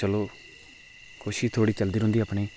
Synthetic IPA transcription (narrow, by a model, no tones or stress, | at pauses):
t͡ʃəloː | kʰʊʃiːt̪ʰoːɽiːt͡ʃəld̪iːɾʊ̃nd̪iːaːpɳeː